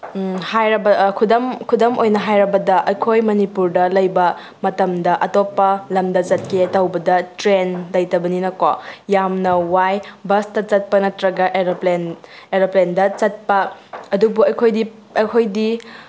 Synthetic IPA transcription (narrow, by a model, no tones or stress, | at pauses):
hajɾɐbɐkʰudɐmkʰudɐmojnɐɦajɾɐbɐdɐʔɐjkʰojmɐnipuɾdɐlɐjbɐ | mɐtɐmdɐʔɐtopːɐlɐmdɐzɐt̚ketɐwbɐdɐtɾenlɐjtɐbɐninɐko̰jamnɐwajbɐstɐt͡ʃɐt̚pɐnɐtɾɐɡɐʔeɾopleneɾoplendɐt͡ʃɐt̚pɐːdubuɐjkʰojdi | ɐjkʰojdi